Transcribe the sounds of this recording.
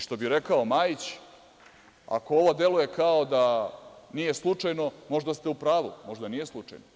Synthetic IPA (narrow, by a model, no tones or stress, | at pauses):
ʃt̪o̞biɾe̞kaomaːjit͡ɕ | a̰ko̞o̞ʋod̪e̞luje̞kaod̪anije̞slˠut͡ʂajno̞mo̞ʒd̪ast̪e̞upɾaːʋṵmo̞ʐd̪anije̞slˠut͡ʂa̰jno